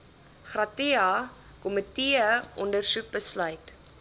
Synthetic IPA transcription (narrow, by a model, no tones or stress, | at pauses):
χrɐtiɑ | kɔmətiəʔɔndərsuk̚bəslœɥt